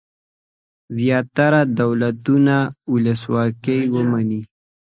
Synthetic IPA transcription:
zjɑt̪aɾad̪awlat̪unauləswɑkəjwəmani

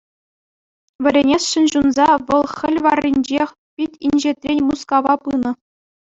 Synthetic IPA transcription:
ʋʲɘ̆ɾʲenʲesʂɘ̆nʑunzɑʋɤ̆lˠxʲɘ̆lʲʋɑrʲːinʲd͡ʑexʲ | pʲitʲinʲʑet̪rʲenʲmuskɑʋɑpɯnɤ̆

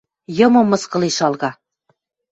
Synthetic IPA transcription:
jɤ̆mŏmːɤ̆skɤ̆liʃɑlɣɑ

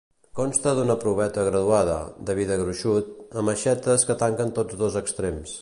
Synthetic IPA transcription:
kɔnst̪əðunəpɾuβ̞ɛt̪əɣɾəðuað̞ə̰d̪əβ̞iðəɣɾuʃut̪əməʃɛt̪əskət̪aŋkənt̪od͡zðozəkst̪ɾems

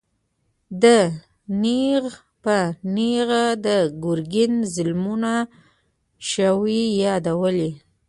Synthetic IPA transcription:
d̪ə | niɣ | pəniɣad̪əɡʊɾɡɪnzɪlmuna | ʃəwijɑd̪awəli

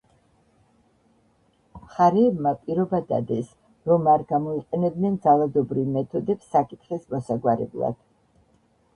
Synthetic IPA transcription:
χaɾiɛbmapʼiɾɔbad̪a̰d̪ɛs | ɾɔmaɾɡamɔiqʼɛnɛb̪nɛnd̪zalˠad̪ɔbɾivmɛt̪ʰɔd̪ɛpsːakʼit̪ʰχismɔsaɡwaɾɛ̰blˠa̰d̪̥

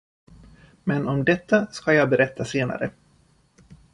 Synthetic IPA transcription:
mɛnɔmd̪ɛt̪ːaskajɑːbɛɾɛt̪ːaseːna̰ɾə

